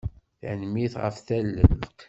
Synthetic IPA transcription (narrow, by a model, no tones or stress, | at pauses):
θnmiθʁə̰fθælːəl